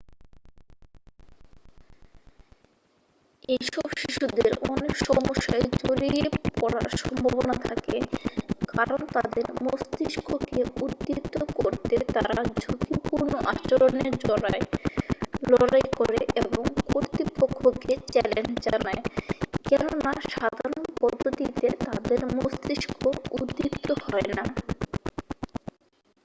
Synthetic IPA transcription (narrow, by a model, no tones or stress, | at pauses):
ejʃɔbʃiʃud̪eɾɔnekʃɔmoʃːaed͡ʑoɾiepɔɾa̰ɾʃɔmbʱobonat̪ʰakekaɾont̪ad̪eɾmost̪iʃkʰokeuɾt̪ːit̪ːokoɾt̪et̪aɾad͡ʑot̪ʰipuɾnoʔat͡ɕoɾoneɾd͡ʑɔɾae | lɔɾajkoɾeʔeboŋkoɾt̪ɾipokʰːoket͡ɕɛlend͡ʑd͡ʑanaekɛnonaʃad̪ʱaɾonpɔd̪ʱːot̪it̪et̪ad̪eɾmost̪ɾiʃkʰoud̪ːipt̪ohɔena